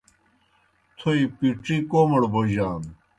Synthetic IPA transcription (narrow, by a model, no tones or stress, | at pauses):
t̪ʰoipiʈ͡ʂikoːmɐɽboʑaːn